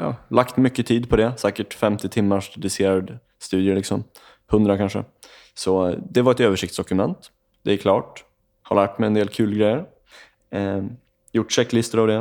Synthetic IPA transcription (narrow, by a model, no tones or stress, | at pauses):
jɑ̰ːlʔakt̪mʏkːət̪ʰiːd̪pʰɔd̪ɛsæːkəʈfɛmt̪ɪt̪ʰɪmːaʂd̪d̪ɪseːɾad̪ | st̪ʉ̟ːd̪jəlɪksɔm | hɵnd̪ɾakʰanʂə̰ | sɔd̪ɛvaɾɛt̪øːvəʂɪk̚t̪sd̪ɔkɵmɛ̰nt̪ | d̪ɛæɾkʰlɑ̰ːʈ | ha̰ɭæːʈmɛjɛnd̪eːlkʰʉːlɡɾɛjːəɾ | jʊʈːʂɛkːlɪst̪əɾavd̪ɛ